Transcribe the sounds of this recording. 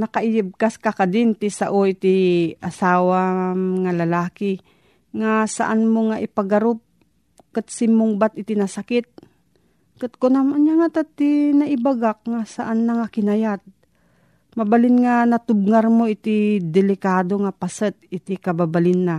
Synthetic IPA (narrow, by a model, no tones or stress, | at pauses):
nɐkaʔɪjɪb̚kaskakad̪ɪnt̪ɪsaʔoʔɪt̪iʔasaːwaŋalɐlaːkɪ | ŋasa̰ʔanmoŋaʔɪpaɡaɾʊp̚ | kɨt̪sɪmːoŋbat̪ɪt̪inasakɪt̪̚ | kɨt̪̚konamanjaŋat̪at̪inɐʔɪbaɡak̚ŋasaʔanːaŋakɪnajat̪̚ | mabalɪnŋanɐt̪ʊb̚ŋaɾmoɪt̪ɪd̪ɛlɪkaːd̪oŋapasət̪̚ɪt̪ɪkababalɪnːa